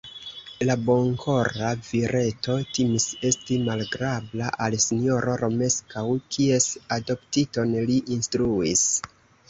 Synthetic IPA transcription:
labo̞ŋkʰo̞ɾaviɾʔe̞tʰo̞timise̞stimalɡɾablaʔalsino̞ɾo̞ɾo̞me̞skawkʰie̞sado̞ptito̞nliʔinstɾuis

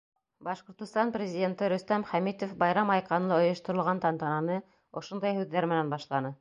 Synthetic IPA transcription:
bɑʃqŏɾt̪ɤ̆st̪ɑnprʲɪzʲidʲe̞nt̪ɤɾɵ̆st̪æmχæmit̪ofbɑjɾɑmɑjqɑnlˠɤŏjŏʃt̪ŏɾŏlˠʁɑnt̪ɑnt̪ɑnɑnɤ | ŏʃond̪ɑjhʉðːæɾmɘ̆nænbɑʃlˠɑnɤ

